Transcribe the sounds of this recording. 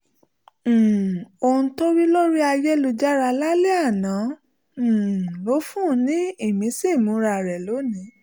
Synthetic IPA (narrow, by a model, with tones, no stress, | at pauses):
o˧ũ˧to˦ɾi˦lo˦ɾi˦a˧je˦lu˧d͡ʒa˦ɾa˧la˦le˦a˦˨nã˨˦˨ | lo˨˦fũ˦˧˦nĩ˦i˦˨mĩ˨˦si˦˨mũ˨˦ɾa˧˨ɾɛ˨lo˨˦nĩ˨˦